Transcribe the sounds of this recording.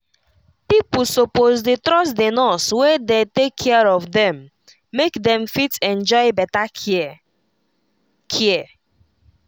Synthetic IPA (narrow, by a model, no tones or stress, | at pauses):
pipusopozdetɾɔsdenɔswedetekʰːɛaɹɔfdɛ̃mː | ekdɛ̃mfitɛ̃nd͡ʒɔɪbɛta | kʰiɛ